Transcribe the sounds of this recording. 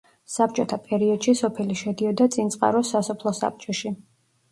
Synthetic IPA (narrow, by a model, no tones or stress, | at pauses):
sap̚t͡ʃʼɔt̪ʰapʼɛɾiɔd̪̥ʃisɔpʰɛliʃɛd̪iɔd̪at̪sʼint̪sʼqʼa̰ɾɔsasɔpʰlˠɔsa̰p̚t͡ʃʼɔʃi